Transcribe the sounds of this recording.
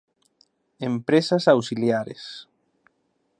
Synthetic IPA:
empɾesasawsiljaɾḛs

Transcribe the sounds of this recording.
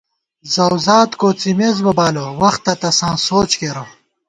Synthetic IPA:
zɐwzaːt̪koːt͡simezbɐbaːlowɐxt̪ːɐt̪ɐsãːsoːt͡ɕkeɾɐ

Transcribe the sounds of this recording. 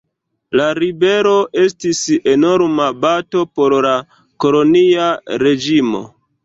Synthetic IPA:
laɾibe̞ɾo̞ʔe̞stise̞no̞ɾmabato̞po̞ɾla | ko̞lo̞niaɾe̞d͡ʒimo̞̰

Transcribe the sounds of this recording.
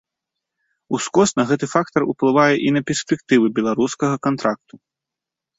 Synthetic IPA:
uskɔsnɐɣɛt̪ɨfak̚t̪ɐruplˠɨvajɛʔinɐpʲɛrsʲpʲɛk̚t̪ɨvɨbʲɛlˠaɾuskɐɣɐkant̪ɾak̚t̪u̥

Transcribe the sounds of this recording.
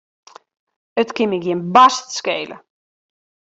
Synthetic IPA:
ətkɪmɪkjɪnbastskeːlə̰

